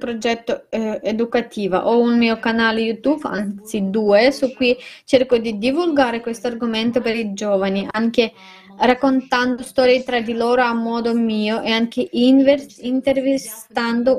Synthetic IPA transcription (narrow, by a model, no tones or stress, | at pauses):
pɾod͡ʒɛt̪ːoed̪ukat̪iːva̰ʔɔunmiːokanaːlejut̪uba̰nsid̪uːesukːwit͡ʃerkod̪id̪ivulɡaːɾekwest̪oarɡoment̪opeɾid͡ʒoːvaniʔaŋk̟e | rakːont̪and̪ost̪ɔːɾjet̪ɾad̪iloːɾoamːɔːd̪omiːoʔeaŋk̟eʔivint̪ervist̪and̪o